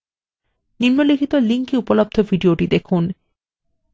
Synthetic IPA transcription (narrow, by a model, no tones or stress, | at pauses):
niɾmolikʰit̪oliŋkiupolob̚d̪ʱovʱiɖioʈid̪ekʰun